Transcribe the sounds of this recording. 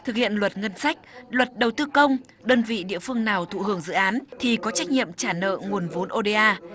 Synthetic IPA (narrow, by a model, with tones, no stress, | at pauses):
t̪ʰɨ˨˩k̚hḭ˧˨ənlwə˨˩t̚ŋə˧nsa˦˥jk̟̚lwə˨˩t̚ɗə˨˩wt̪ɨ˧kə˧wŋ͡m | ɗəː˧nvḭ˧˨ɗḭ˧˨əfɨ˧əŋnaː˨˩wt̪ʰṵ˧˨hɨ˧˩əŋzɨ̰˧˨ʔaː˨˦nt̪ʰi˨˩kɔ˨˦t͡ɕa˦˥jk̟̚ɲḭ˧˨əmt͡ɕaː˧˩nə̰ː˧˨ŋu˨˩ənvo˨˦nʔo˧ɗe˧ʔaː˧